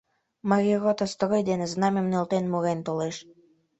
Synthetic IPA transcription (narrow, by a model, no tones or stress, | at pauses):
mɑɾʲirot̪ost̪ɾojd̪eneznɑmʲemnelt̪enmuɾent̪oleʃ